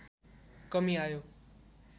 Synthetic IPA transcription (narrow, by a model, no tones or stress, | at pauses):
kʌmiajo